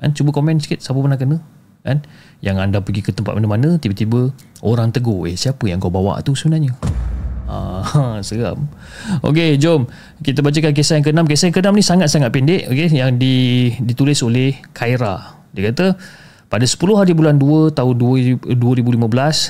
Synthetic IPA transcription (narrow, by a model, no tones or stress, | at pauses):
ka̰nt͡ʃubəkomɛ̃nskɪt̪̚sapəpənaŋk̬ənə̃ | kan | jaŋandapəɡikət̪əmpat̪̚manamanə̃t̪ibət̪ibə | ʔoɾaŋt̪əɡoḛhsiapəjã̰ŋkawbawa̰ʔt̪usəbənarɲə | a̰səɡa̰m | ʔo̰k̬ed͡ʒom | kit̪əbat͡ʃəkank̬esajaŋk̬ənamkesajaŋkənamnisaŋat̪̚saŋat̪̚pindeʔokejaŋdidit̪ulɪsolehkʰaiɾa | diəkat̪ə | padasə̥pulʊɦaɾibulanduət̪aʊnuduəɾibulimə̃bəlas